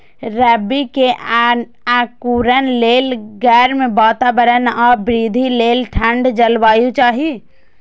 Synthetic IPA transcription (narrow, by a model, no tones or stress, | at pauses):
ɾɛːbikeʔ | ɛ̃ːkuːɾənleːlɡɛːɾmẽbaːt̪aːbəɾənɔːbɾiːd̪ʱileːlʈʰə̃ɳɖd͡ʒɐlʋaːjũt͡ʃaːɦie